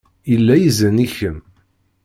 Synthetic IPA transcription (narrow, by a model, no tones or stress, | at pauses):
ilːæjəzəniçəm